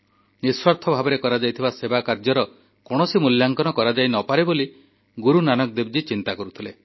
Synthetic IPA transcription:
niswaɾt̪ʰɔbʱabɔɾekɔɾad͡ʒajt̪ʰibasebakaɾd͡ʒɔɾɔ | kɔɽ̃ɔsimuljaŋkɔnɔkɔɾad͡ʒajnɔpaɾeboli | ɡuɾunanɔk̚d̪eb̚d͡ʒit͡ʃint̪akɔɾut̪ʰile

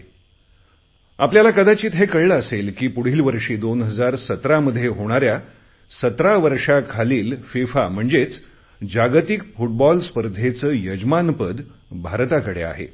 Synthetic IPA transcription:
apljalakəd̪at͡ɕiːt̪ɦekəɭːəselkiːpuɽ̤iːlʋəɾʂiːd̪onɦəd͡zaɾsət̪ɾaməd̪ʱːjeɦoɽ̃aɾja | sət̪ɾaʋəɾʂakʰaliːlfifam̤əɳd͡zet͡s | d͡ʑaɡt̪ikfuʈ̚bɔlspəɾd̪ʱet͡səːjəd͡ʑmanpəd̪bʱaɾt̪akəɽḛa̰ɦḛ

